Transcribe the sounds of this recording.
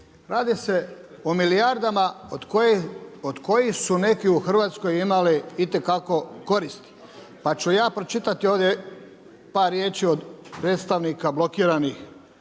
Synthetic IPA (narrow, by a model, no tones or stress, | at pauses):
ɾaːd̪ise̞ | omilijaɾd̪amakood̪ko̞jisune̞kiuxr̩ʋaːt̪sko̞jimaliit̪e̞kako̞ko̞ɾist̪i̥ | pat͡ʃujaːpɾot͡ʃit̪at̪ioʋd̪je | paːɾːjeːt͡ʃiod̪pɾeːt̪st̪aʋnikablˠo̞kiːɾanix